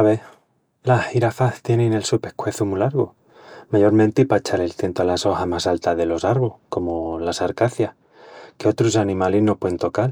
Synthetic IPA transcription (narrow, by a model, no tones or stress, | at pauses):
aβe | lahiɾafaθt̪je̞nene̞lsupe̞hkwe̞θumulaɾɣo | maʝo̞ɾment̪ipat͡ʃaɾe̞lθje̞nt̪oalaso̞xamasalt̪aðe̞lo̞saɾβoko̞mo̞lasaɾkaθja | ke̞o̞t̪ɾusanĩmalezno̞pweent̪o̞kal